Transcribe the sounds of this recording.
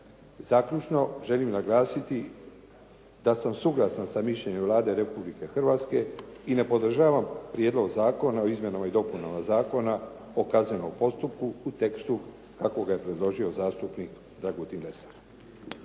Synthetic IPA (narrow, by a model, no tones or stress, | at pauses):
zaːkʎut͡ʃno̞ʒe̞limnaɡlaːsit̪i | d̪asamsuɡlˠasansamiʃʎe̞ɲemʋlaːd̪e̞ɾe̞publike̞xr̩ʋaːt̪ske̞ine̞po̞d̪r̩ʒaːʋampɾijeːd̪lo̞ɡzaːko̞nao̞izmʲje̞namaid̪o̞punamazaːko̞na | o̞kazɲe̞no̞mpo̞st̪up̚kuːt̪e̞kst̪u | kako̞ɡaje̞pɾe̞d̪lˠo̞ʒio̞zaːst̪upnik | d̪ɾaɡut̪inle̞sḁɾ